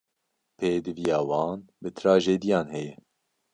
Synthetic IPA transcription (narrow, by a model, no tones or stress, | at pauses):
pʰeːd̪ɨvijɑːwɑːnbɨt̪ʰɾɑːʒeːd̪ijɑːnhɛjɛ